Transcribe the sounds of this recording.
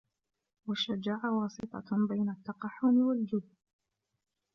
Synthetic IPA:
waʃːad͡ʒaːʕawɑːsˤɨt̪ˤɑ̰bajnat̪ːɑqɑħːʊmɪwald͡ʒʊd̪ː

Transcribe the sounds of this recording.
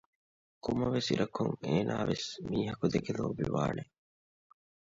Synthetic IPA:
kumɐʋesiɾɐkʰuŋeːnʔaːʋesmiːɦɐkud̪eɡeloːbiʋaːne

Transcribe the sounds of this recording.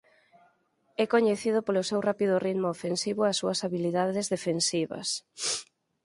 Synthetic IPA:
ɛkoɲeθið̞ʊpolosewrapiðʊrit̪moofensiβʊasːuɐsaβiliðaðezðefensiβɐ̰s

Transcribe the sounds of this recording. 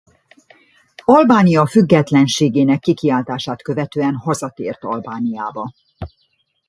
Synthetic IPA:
ɒlbaːnijɒfyɡːɛt̪lɛnʃeːɡeːnɛkːikiaːlt̪aːʃaːt̪kø̞vɛt̪øːɛnhɒzɒt̪eːrt̪ɒlbaːnija̰ːbɒ

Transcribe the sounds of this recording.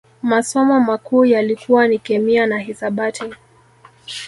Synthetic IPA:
masɔmɔmakuːjalikuwanikɛmianaɦisaɓati

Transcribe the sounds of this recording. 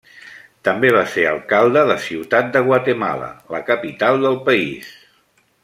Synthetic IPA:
t̪əmbeβ̞aseɾə̰lˠkalˠd̪əðəsiwt̪at̪̚d̪əɣwat̪əma̰lə̰ləkəpit̪alˠd̪əlˠpəḭs

